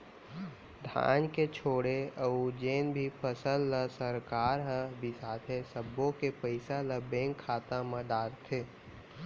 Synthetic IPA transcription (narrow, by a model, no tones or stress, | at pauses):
d̪ʱa̰ːnket͡ʃʰoːɽeəud͡ʒeːnbʱipʰəsəlːəsəɾkaːɾɦəbʱisaːt̪ʰesəbːõkepəɪsaləbẽːŋkʰːaːt̪aməd̪aːɾt̪ʰeː